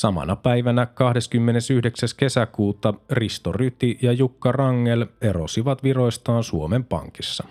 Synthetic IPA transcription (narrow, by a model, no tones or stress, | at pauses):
sɑmɑ̰nɑpæiʋænækɑhde̞skymːe̞nesyhdeksæske̞sækuːt̪ɑrist̪oryt̪ijɑjukːɑrɑŋːeleɾo̰siʋɑt̪ʋiro̞jst̪ɑːnsuomempɑ̰ŋkisːɑ